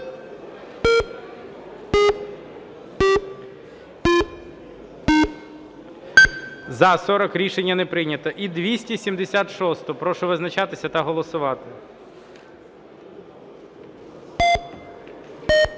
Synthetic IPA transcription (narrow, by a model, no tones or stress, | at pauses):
zɐsɔɾɔkɾʲiʃenʲːɐnepɾɪnʲɐt̪ɔʔid̪ʋʲisʲtʲisʲimd̪esʲat̪ʃɔst̪ɔpɾɔʃɔʋɪznɐt͡ʃat̪ɪsʲɐt̪ɐɦɔlˠɔsʊʋɑt̪ɪ